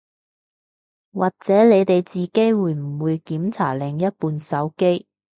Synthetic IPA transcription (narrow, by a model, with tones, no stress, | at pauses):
waː˨˩k̚t͡sɛː˨˥le˨˧jt̪e˨jt͡siː˨ke˥jwuː˨˧jm̩˨˩wuː˨˧jkiː˨˥mt͡sʰa̰ː˨˩lɪ˨˧ŋjɐ˥t̚puː˧nsɐ˨˥wke˥j